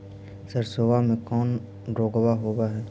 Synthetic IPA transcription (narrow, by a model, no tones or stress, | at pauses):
səɾsoːʋamẽkɔːn | ɾoːɡwaɦoːbaɦɛː